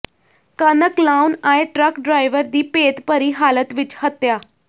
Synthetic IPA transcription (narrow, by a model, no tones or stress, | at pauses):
kənəklaunaeʈɾəkɖɾajʋəɾd̪iːpet̪pəɾiːɦalət̪ʋit͡ɕhət̪ja